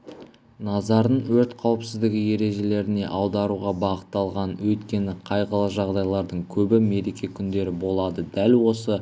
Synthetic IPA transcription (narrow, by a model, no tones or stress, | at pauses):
nɑzɑɾəɴwɵɾt̪qʰɑwəpsɪzd̪ɪɡʲɪje̞ɾe̞ʒe̞le̞ɾɪne̞̰ʔɑwd̪ɑɾuʁɑbɑqət̪ːɑlˠʁɑnwɵjt̪kʲe̞nɪqʰɑjʁəlˠəʒɑʁd̪ɑjlˠɑɾd̪əɴkʲʰɵbɪme̞ɾe̞kʲe̞kʲʰʏnd̪e̞ɾɪbo̞lˠɑd̪əd̪ælwo̞sə